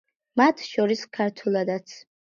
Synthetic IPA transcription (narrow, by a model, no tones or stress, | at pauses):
mat̪ʰʃɔɾiskʰaɾt̪ʰulˠad̪at̪sʰ